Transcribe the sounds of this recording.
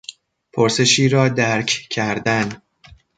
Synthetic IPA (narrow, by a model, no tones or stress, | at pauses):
pʰoɾse̞ʃiːɾɒːd̪æɾcʰcʰæɾd̪æn